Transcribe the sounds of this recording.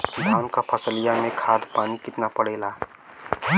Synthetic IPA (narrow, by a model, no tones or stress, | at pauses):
d̪ʱaːnkapʰəsəlijamẽkʰaːd̪paːnikɪt̪napəɽeːla